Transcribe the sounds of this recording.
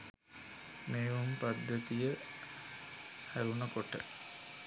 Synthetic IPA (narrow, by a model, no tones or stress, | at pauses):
meːʋumpad̪ːət̪ijə | hæɾunəkoʈə̰